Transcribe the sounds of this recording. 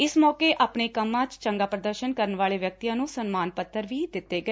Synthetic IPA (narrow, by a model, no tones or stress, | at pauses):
ɪsmɔːkeːʔaːpɳeːkəmːãːt͡ʃt͡ʃəŋɡaːpɾəd̪əɾʃənkəɾənʋaːleːʋjək̚t̪ijãːnũːsənmaːnpət̪ʰːəɾʋiːd̪ɪt̪ːeːɡəeː